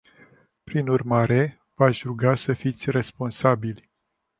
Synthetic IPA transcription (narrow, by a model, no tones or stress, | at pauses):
pɾinurmaɾe̞ | v̥aʃʲɾuɡasəfit̪sʲre̞spo̞nsabilʲ